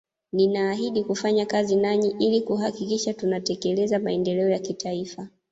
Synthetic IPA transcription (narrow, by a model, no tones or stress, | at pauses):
ninaːɦiɗikufaɲakazinaɲiʔilikuɦakikiʃatunatɛkɛlɛzamaɛndɛlɛɔjakitaifa